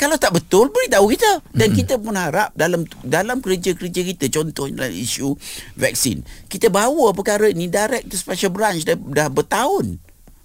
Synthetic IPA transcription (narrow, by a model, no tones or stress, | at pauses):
kalawt̪aʔbət̪ʊlbəɾit̪aukit̪ədankit̪əpʊnhaɾap̚dalamdalamkəɾəd͡ʒakəɾəd͡ʒakit̪ət͡ʃɔnt̪ɔha̰la̰mḭʃuvɛ̰k̚sɪ̰nkit̪əbawəpəkaɾəinidaɾɛk̚t̪uspaʃalbəɾant͡ʃdadahbərt̪aʊn